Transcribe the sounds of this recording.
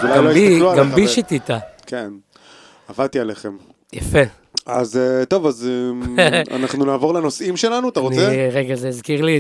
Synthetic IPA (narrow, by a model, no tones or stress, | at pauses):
ɡlaalojiluaɡambiʃit̪it̪akʰen | avadt̪ialeχem | jafe | a̰zet̪o̞vaze | a̰naχnunaːvo̞ʁleno̞simʃelanuat̪aʁont͡sieʁeɡazeːzkiʁli